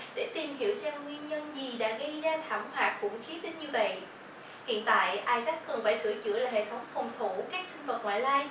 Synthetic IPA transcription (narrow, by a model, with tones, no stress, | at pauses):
ɗḛ˧˩t̪i˨˩mɦi˧˩əwsɛ˧wŋwi˧ənɲə˧nzi˨˩ɗa̰ː˧˥ɣə˧jzaː˧t̪ʰaː˧˩mwa̰ː˨˩t̚kʊ̰˧˩ŋ͡mxi˨˦ɗe˨˦nɲɨ˧və̰˧˨j | hḭ˧˨ənt̪a̰ː˧˨jʔaː˧jza˦˥k̚t̪ʰːɨ˨˩ənfaː˧˩jt̪ʰɨ̰˧˩ət͡ɕɨ̰˧˥əlaː˨˩ɦḛ˧˨˩t̪ʰə˨˦wŋ͡mfə˨˩wŋ͡mt̪ʰu˧˩kaː˦˥k̚si˧ŋ̟və˨˩t̚ŋa̰ː˧˨jlaː˧j